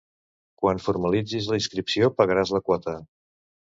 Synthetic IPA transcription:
kwanfuɾməlid͡zizləinskɾipsiopəɣəɾazləkwɔt̪ə

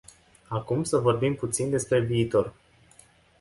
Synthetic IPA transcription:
akumsəvo̞rbimput̪sind̪e̞spɾe̞viːt̪o̞r

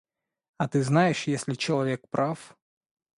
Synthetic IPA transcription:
ɐt̪ɨznajɪʂjesʲlʲɪt͡ɕɛlˠɐvʲɛk̚pɾʔaf

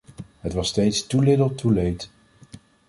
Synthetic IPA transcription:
ɦətʋɑstejtstulɪdəlˠtʰulejt

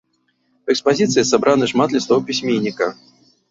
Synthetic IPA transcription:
ɛkspazʲit̪sɨjsabɾʔanɨʂmad̪lʲast̪ɔwpʲisʲmʲenʲːikɐ

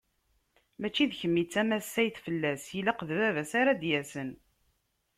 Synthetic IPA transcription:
mæt͡ʃːiðçəmːit͡sːæmæsːæjθfəlːæsjilaqəðvævæsaɾad̪jæsən

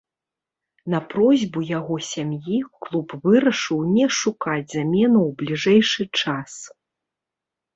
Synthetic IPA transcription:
nɐpɾɔzʲbujaɣɔsʲamjiklˠupvɨɾɐʂɨwnʲɛʂukad͡zʲzamʲɛnuwblʲiʐɛjʂɨt͡ʂas

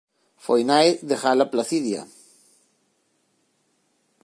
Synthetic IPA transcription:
fojnajðexalaplaθiðja̰

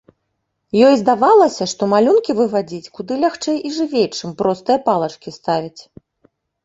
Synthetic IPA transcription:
jɔjzd̪avalˠɐsʲɐʂt̪ɔmalʲunkʲivɨvad͡zʲit͡sʲkud̪ɨlʲaxt͡ʂɛjiʐɨvʲejt͡ʂɨmpɾɔst̪ɨjɐpalˠɐt͡ʂkʲist̪avʲit͡sʲ

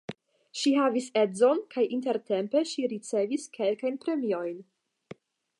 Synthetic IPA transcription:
ʃihavise̞zo̞nkʰajʔint̬e̞ɾte̞mpe̞ʃiɾit͡se̞viskʰe̞lkajnpɾe̞mio̞jn

